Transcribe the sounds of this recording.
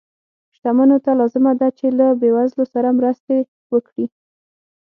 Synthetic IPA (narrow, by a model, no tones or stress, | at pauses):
ʃt̪amanot̪alɑzɪmad̪at͡ʃelabewazlosaɾamɾəst̪e | wəkɽi